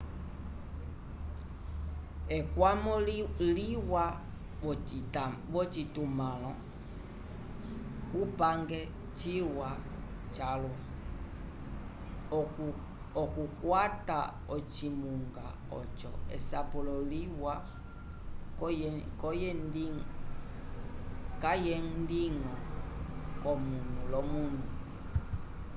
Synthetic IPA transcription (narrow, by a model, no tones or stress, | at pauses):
ɛkwamɔliwa | βɔt͡ʃitumalɔ | kupaŋɡɛ | t͡ʃiwa | t͡ʃalwa | ɔkukwata̰ | ɔt͡ʃimuŋɡa | ɔ̰t͡ʃɔ̰ɛ̰sapulɔliwa | kɔjɛni | kajɛŋndiŋɔ | kɔmunulɔmunu